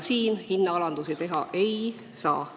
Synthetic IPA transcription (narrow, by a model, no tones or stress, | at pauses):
siːnhinːɑɑlɑnd̪̥usit̪e̞ɦɑʔe̞j | sɑ̰ː